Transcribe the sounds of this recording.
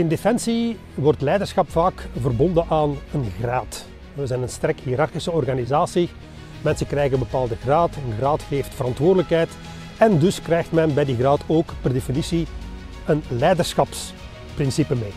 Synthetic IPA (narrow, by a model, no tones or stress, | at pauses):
ɪndefɛnsi | ʋɔrtlɛjdərsxɑpfaːkvərbɔndənʔaːnənɣraːt | ɛʋəzɛːnənstɛrkhiːɾɑrxisəɔrɣanizaːsi | mɛnsəkrɛjɣənbəpaːlˠdəɣraːtənɣraːtxeːftfəɾɑntʋoːrdələkɦɛjt | ɛndɵskrɛjxtmɛnbɛjdiɣraːtʰoːkpɛrdefinisi | ənlɛjdərsxɑps | prɪnsipəmeː